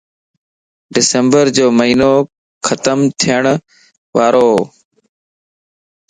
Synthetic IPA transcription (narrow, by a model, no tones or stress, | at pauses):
ɖɪsəmbəɾd͡ʒoːməɦiːnoː | xʰət̪əmt̪ʰɪjəɳ̃ | ʋaːɾoː